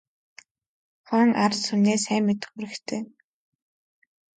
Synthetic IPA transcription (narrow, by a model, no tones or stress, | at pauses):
χœːŋarsuneːsæːmːet̪ɘ̆χuɾɘ̆kt̪ʰeː